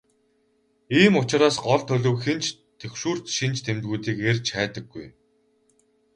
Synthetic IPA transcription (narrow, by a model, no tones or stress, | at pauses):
iːmʊt͡ɕɪ̆ɾaːsɢɔɮt̪ʰɵɮɵ̆wxent͡ɕ | t̪ʰewʃuːr̥t̪ʃint͡ɕt̪ʰemt̪̚ɡuːt̪iːkerʲt͡ɕæːt̪ə̆ɡːuj